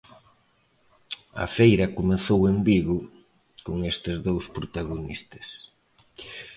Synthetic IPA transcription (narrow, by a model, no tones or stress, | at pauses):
ɐ̰fejɾɐkomeθowembiɣʊ | koŋest̪ɪzðowspɾot̪aɣ̞onist̪ɐs